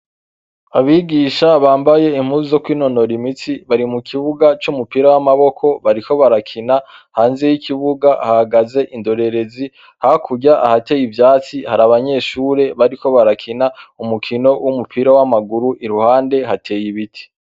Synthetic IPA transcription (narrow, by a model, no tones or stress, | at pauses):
aβiɡiːʃaβaːmbaje̞im̥uːzizo̞kwiːno̞no̞ɾimit͡siβaɾimukʰiβuɡat͡ʃumupiɾawamaβo̞kʰo̞βaɾiko̞βaɾakʰinahaːnze̞jikiβuɡaʔhahaɡaze̞ʔindo̞ɾe̞ɾe̞zi | hakʰuɟaʔahate̞jivjaːt͡sihaɾaβaɲe̞ːʃuːɾe̞βaɾiko̞βaɾakʰinaumukʰino̞wʔumupʰiɾawamaɡuɾuʔiɾuhaːnde̞ɦatʰe̞jiβitʰi̥